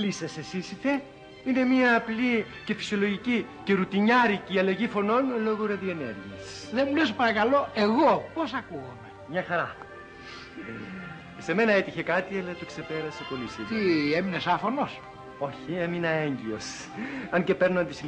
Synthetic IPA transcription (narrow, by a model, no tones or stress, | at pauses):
lisɐsesisiθe | ine̞miɐːpli | ce̞fi̥sio̞lo̞ʝicice̞ɾut̪iɲɐɾiciɐlɐʝifo̞no̞nlo̞ɣoɾɐðie̞nḛɾʝiɐs | ðemulespɐɾɐkɐloeɣoposɐkuɣomemɲɐxɐɾɐ | se̞me̞nɐe̞t̪içe̞kɐt̪ielɐt̪okse̞pe̞ɾɐse̞po̞lisiðieminesɐfonos | o̞çieminɐe̞ɲɟio̞s | ɐnce̞pe̞ɾnont̪is